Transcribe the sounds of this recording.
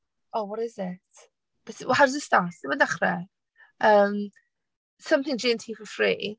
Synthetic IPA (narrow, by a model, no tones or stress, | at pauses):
owɔɾɪzɪt | b̥ɛtwɦaɾzəsdasɪməndaχrɛ | ʔəːm | sʌ̃mθɪ̃ŋd͡ʒiəntʰiːfəfrḭː